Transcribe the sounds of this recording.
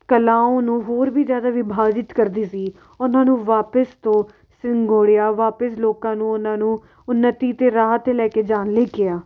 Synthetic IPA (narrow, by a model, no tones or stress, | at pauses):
kəlaːõːnũːɦoːɾʋiːzjaːd̪aːʋɪbʱaːd͡ʒɪt̪kəɾd̪iːsiː | ʊnãːnũːʋaːpəst̪õː | sɪŋɡoːɽɪjaːʋaːpəsloːkãːnũːʊnãːnũː | ʊnːət̪iːt̪eːɾaːɦət̪elɛːkeːd͡ʒaːnleːkɪjaː